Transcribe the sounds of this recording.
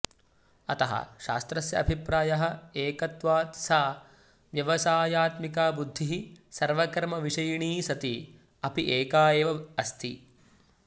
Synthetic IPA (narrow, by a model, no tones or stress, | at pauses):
ɐ̰t̪ɐɦɐ̰ʃa̰ːst̪ɾɐsjɐ̰ɐbʱipɾaːjɐɦɐeːkɐt̪ʋaːt̪saː | ʋjɐʋɐsaːjaːt̪mikaːbud̪ʱːiɦisɐɾʋɐkɐɾmɐʋiʂɐjɳiːsɐt̪i | ɐpiʔeːkaːeːʋɐɐst̪ʰi